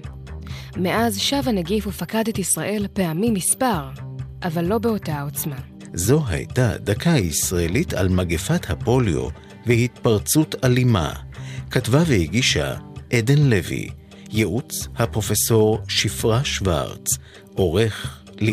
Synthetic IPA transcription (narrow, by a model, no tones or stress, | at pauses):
meʔazʃavaneɡifufakadet̪isʁaʔe̞lpeamimispaʁʔavalːo̞beo̞tao̞t͡sma | zo̞ɦa̰jtad̪akʰaisʁaelitʰa̰lmaɡefathapo̞ljo̰ | vehit̪paʁt͡sutalima̰katvavehiɡiʃa̰ʔedenlevḭ | jeʔut͡shapʁo̞feso̞ʁʃifʁaʃva̰ʁt͡s | ʔo̞ʁe̞χ | l